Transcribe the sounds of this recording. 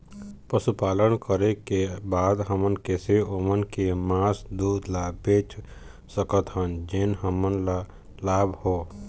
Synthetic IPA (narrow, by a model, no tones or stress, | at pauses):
pɾəsupaːlənkəɾekebaːd̪ɦəmənkeːseʔomənkemaːsd̪uːd̪labeːt͡ʃ | səkət̪ɦənd͡ʒɪnɦəmənla | laːbhoː